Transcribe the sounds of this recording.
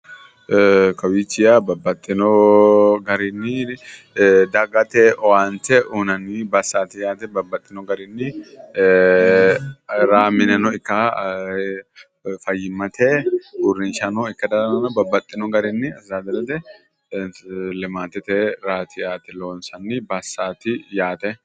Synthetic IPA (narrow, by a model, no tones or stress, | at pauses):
kɐwit͡ʃːɪjabɐbːɐt̪ʼːɪnɔ | ɡɐɾɪnːɪ | d̪ɐɡɐt̪ɛʔɔwant̪ɛʔunɐnɪbɐsaːt̪ɪjaːt̪ɛbɐbːɐt̪ʼːɪnɔɡɐɾɪnːɪ | ɾaːmɪnɛnɔɪkːɐ | fɐjːɪmɐt̪ʰɛbʊɾːɪnʃɐnɔɪkːɐd̪ɐnɐnɐbɐbːɐt̪ʼːɪnɔɡɐɾɪnːɪɐzaːd̪ɐlɐt̪ɛ | lɪmaːt̪ːɛt̪ɛɾaːt̪ʰɪjaːt̪ɛlo̞ːnsɐnːɪbɐsːaːt̪ɪjaːt̪ɛ